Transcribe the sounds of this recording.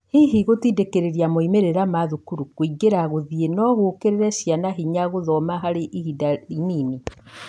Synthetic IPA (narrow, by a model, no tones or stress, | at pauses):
hiɦiɣotidekeɾeɾiamoimeɾeɾamaðukuɾukwiɡeɾaɣoðienɔɣokeɾeɾɛɕjanaɦiɲaɣoðɔmaɦaɾeʔihidainini